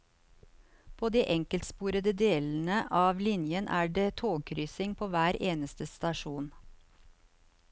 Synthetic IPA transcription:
pʰoːd̪iːʔɛŋkəlt̪spuːɾəd̪əd̪eːln̩əʔɑːʋlɪnjənʔæːɖeːt̪ʰoːɡ̚kʰɾyːsɪŋpʰoːʋæːɾeːnəst̪əst̪ɑʃuːn

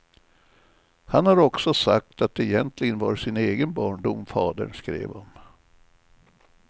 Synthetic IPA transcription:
hanhaɾɔksɔsa̰k̚t̪at̪̚d̪ɛɛjɛnt̪ʰlɪɡənvɑ̰ːɾʂɪneːɡənbɑːɳɖʊmfɑːd̪ə̰ɳskɾḛːvɔm

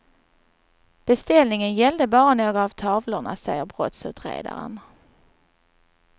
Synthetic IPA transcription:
b̥ɛst̪ɛlnɪŋənjɛld̪əbɑːɾanoːɡɾaːvt̪ʰɑːvlʊɳa̰sɛjəɾbɾɔt̪sʉ̟ːt̪ɾḛːd̪a̰ɾə̰n

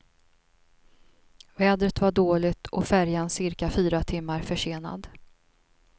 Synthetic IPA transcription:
vɛːd̪ɾət̪vaɖoːlɪɡt̪ʰʔɔ̰fæɾjansɪɾkafyːɾat̪ʰɪmːaɾfœʂeːna̰d̪

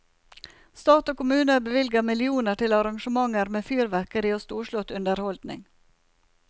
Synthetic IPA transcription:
st̪ɑːt̪oːkʊmʉːnəbəʋɪlɡəmɪlɪuːnəʈɪlɑɾɑŋʃəmɑŋəɾmeːfyːɾʋæɾkəɾiːoːst̪uːʃɭʊt̪ʉnd̪əɾhɔld̪nɪ̰ŋ

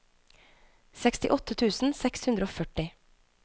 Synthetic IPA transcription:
sɛkst̪ɪ̰ʔɔt̪ət̪ʰʉːsn̩sɛkshʉnd̪ɾəoːfœʈɪ

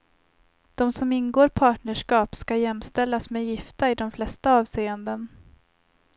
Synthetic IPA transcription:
d̪̥ɔmsɔmɪnɡoːɾpʰɑːʈɳəʂkɑːpskajɛmːst̪ɛlːasmeːjɪft̪aɪd̪ɔmflɛst̪aɑːvseːənd̪ən

